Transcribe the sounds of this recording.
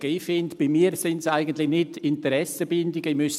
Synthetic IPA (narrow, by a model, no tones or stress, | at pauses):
ɡ̥əifɪntb̥imiːɾsɪntsaɪɡən̩tlɪxnɪtɪntəɾɛsəbɪndɪɡəimʏs